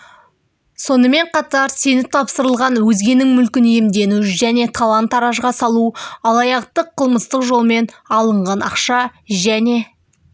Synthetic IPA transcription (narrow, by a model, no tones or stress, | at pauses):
so̞nəme̞ɴqʰɑt̪ɑɾse̞nɪp̚t̪ʰɑpsəɾəlˠʁɑnwɵzɡʲe̞nɪŋmʏlkʲɪnijɪmd̪e̞nuʒæne̞t̪ʰɑlˠɑnt̪ɑɾɑʒʁɑsɑlˠuɑlˠɑjɑqt̪əqʰːəlˠməst̪əqʒo̞lˠme̞n | ɑlˠəɴʁɑnɑqʃɑʒæne̞